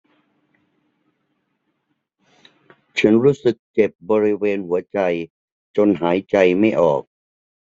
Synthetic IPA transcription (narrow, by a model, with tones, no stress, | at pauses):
t͡ɕʰa˦˥nɾuː˦˥sɯ˨˩k̚t͡ɕe˨˩p̚bɔː˧ɾi˧˥weː˧nhu˩˦ɐt͡ɕa˧j | t͡ɕo˧nɦaː˩˦jt͡ɕa˧jma˥˩jʔɔ̰ː˨˩k̚